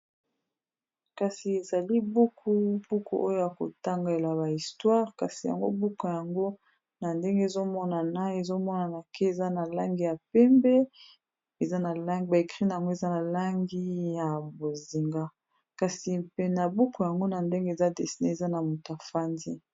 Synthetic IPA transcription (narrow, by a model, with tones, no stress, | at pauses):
ka˨si˨e˨za˨li˦bu˦kʰu˦b̥u˦kʰu˦ʔo˦jo˦ja˨ko̰˨ta˦ŋɡa˦e˨la˨ba˨i˨stwa˦ʁka˨si˨ja̰˨ŋɡo˦bu˦ka˨ja˨ŋɡo˦ | na˨nde˦ŋɡe˦e˨zo˦mɔ˦na˨na˦e˨zo˦mɔ˦na˨na˨ke˦e˨za˦na˨la˦ŋɡi˦ja˨pɛ˦mbɛ˦ | e˨za˦na˨la˦˨ba˨e˨kʁi˦na˨ja˨ŋɡo˦e˨za˦na˨la˦ŋɡi˦ja˨bo˨zi˨ŋɡa˦ | ka˨si˨pe˨na˨bu˦ko˨ja˨ŋɡo˦na˨nde˦ŋɡe˦e˨za˦de˨si˨ne˦e˨za˦na˨mu˨ta˨fa˦ndi˦